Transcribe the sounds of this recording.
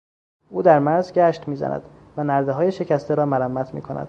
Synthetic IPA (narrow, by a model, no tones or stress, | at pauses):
ʔuːd̪æɾmæɾzɟæʃt̪miːzæ̰nʔæ̰d̪̥vænæɾd̪eɦɒːje̞ʃe̞cʰæst̪ʰeɾɒːmæɾæmːæt̪ʰmḭːkʰo̞næ̰d̪̥